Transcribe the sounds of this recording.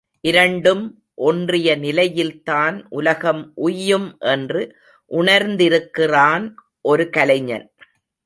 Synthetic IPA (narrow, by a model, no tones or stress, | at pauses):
ʔɪɾɐɳɖɯm | ʔɔndrɪjɐnɪlɐjɪlt̪aːnʔʊlɐɣɐmʔʊjːɯmʔɛndrɯ | ʔʊɳɐɾnd̪ɪɾɯkːɪraːn | ʔɔɾɯkɐlɐɲːɐ̰n